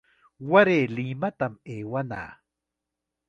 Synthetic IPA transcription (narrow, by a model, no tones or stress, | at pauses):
waɾeːlimat̪ameːwana̰ː